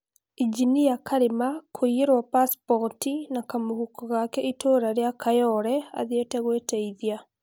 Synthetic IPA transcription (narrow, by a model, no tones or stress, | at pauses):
id͡ʒinijakʰaɾemakʰoieɾwapaspɔtinakamohukɔɣakɛitoːɾaɾeakajɔɾɛa̰ðietɛɣwetɛiðia